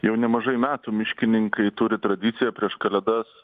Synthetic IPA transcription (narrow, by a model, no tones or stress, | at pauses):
jɛʊnʲɛmɐʒɐɪmʲæːt̪uːmʲɪʃʲkʲɪnʲɪŋkɐɪt̪ʊɾʲɪt̪ɾɐd̪ʲɪt̪sʲɪjɛpʲɾʲiɛʃkɐlʲɛd̪ɐs